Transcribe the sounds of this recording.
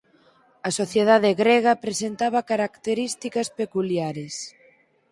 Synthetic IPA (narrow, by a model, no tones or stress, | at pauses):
ɐsoθjeðaðeɣɾeɣɐpɾesent̪aβɐkaɾakt̪eɾist̪ikɐspekuljaɾes